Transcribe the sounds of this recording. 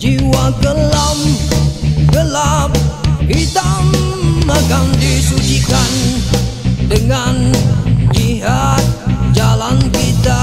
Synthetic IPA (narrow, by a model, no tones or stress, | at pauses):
d͡ʒiwaɡəlam | ɡəlap̚kit̪a | makandisut͡ʃikan | dəŋand͡ʒiɦat̪̚d͡ʒalankit̪a